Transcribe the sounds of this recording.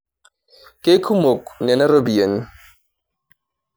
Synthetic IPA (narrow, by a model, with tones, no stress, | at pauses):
ke˦kʰu˦mo˨k̚nɛ˨na˦ɾo˦bi˨je˨n˦